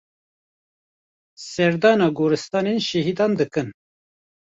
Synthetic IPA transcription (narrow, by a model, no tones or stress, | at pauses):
sɛɾd̪ɑːnɑːɡoːɾɨst̪ɑːnenʃɛɦiːd̪ɑːnd̪ɨkɨn